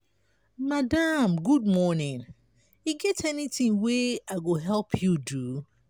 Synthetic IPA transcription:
madamɡud̚mɔnɪ̃n | iɡɛtɛnitɪ̃ŋweaɪɡoɦɛlˠpʰjudu

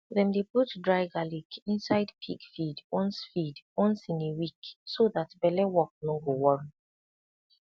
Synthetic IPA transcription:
ðɛ̃mdebutdɹaɪɡalikʰĩnsaɪdpʰikfidɔ̃nsfidɔ̃nsĩnewiksoðatbɛlɛwɔk̚nɔ̃nɡowɔɹĩ

